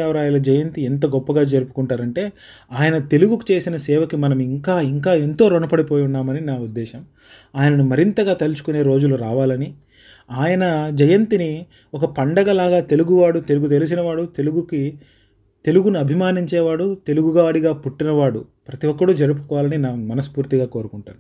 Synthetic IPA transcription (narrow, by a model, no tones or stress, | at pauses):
aːʋɐɾaːjalɐd͡ʒɐjɐnt̪ient̪̬ɐɡɔpːɐɡaːd͡ʒɐɾupu̥kuɳʈaːɾɐɳʈe̞ːaːjɐnɐt̪e̞luɡuki̥t͡ʃe̞ːsinɐsɛːʋɐkimɐnɐmiŋkaːiŋkaːe̞nt̪o̞ːɾɔnɐpɐɽipo̞ːjuɳːaːmɐninaːud̪ːɛːʃɐm | aːjɐnɐnumɐɾint̪ɐɡaːt̪ɐlit͡ʃu̥kune̞ːɾoːd͡ʒuluɾaːʋaːlɐni | aːjɐnɐd͡ʒɐjɐnt̪ini | ɔkɐpɐɳɖɐɡɐlaːɡaːt̪eluɡuʋaːɽut̪e̞luɡut̪e̞lis̬inɐʋaːɽut̪e̞luɡuki | t̪e̞luɡunuɐbʱimaːniɲt͡ʃɛːʋaːɽut̪e̞luɡuɡaːɐɽiɡaːpuʈːinɐʋaːɽupɾɐt̪iwɔkːɐɽud͡ʒɐɾup̬u̥kɔʋaːlɐninaːmɐnɐspuːɾt̪iɡaːko̞ːɾukuɳʈa̰ːn